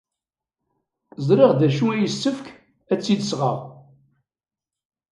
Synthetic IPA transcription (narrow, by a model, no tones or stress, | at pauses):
zɾiʁd̪æʃuæjəsːəfk | æt͡sːid̪əsʁəʁ